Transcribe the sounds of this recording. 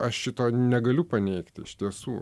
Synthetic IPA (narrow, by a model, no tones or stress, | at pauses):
ɐʃʃʲɪt̪oːnʲɛɡɐlʲʊpɐnʲɛɪkt̪ʲɪʃt̪ʲiɛsuː